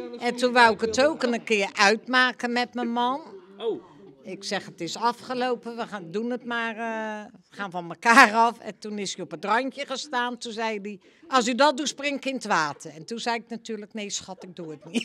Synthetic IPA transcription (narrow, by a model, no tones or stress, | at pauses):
ɛntunʋawɪkətowkənəkɪərʔœɥtmaːkənmɛtməmɔn | ɪksɛxətɪsɑfχəlowpəʋədunətmarəxaːnfɔnməkaːrɑfɛ̰ntunɪsəopətrɔnkjəɣəstaːntunzɛjdi | ʔɔs̬ydɔt̚dusprɪŋkɪntʋaːtʰəɛntunzɛjɪk̚natyːrləkneːsxɔtɪk̚duətnit